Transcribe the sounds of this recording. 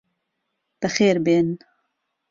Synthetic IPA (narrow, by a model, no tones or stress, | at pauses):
b̥ɨxeːɾbeːn